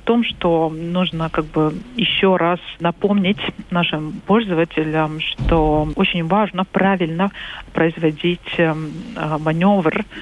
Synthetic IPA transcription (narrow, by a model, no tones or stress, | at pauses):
t̪o̞mʂt̪onuʐnəkaɡ̚bɨjɪɕːoɾʔasnɐpomnʲɪtʲnaʂɨmpo̞lʲzəvətʲɪlʲəmʂt̪oot͡ɕɪnʲvaʐnəpɾavʲɪlʲnəpɾəɪzvɐdʲitʲ | mɐnʲovr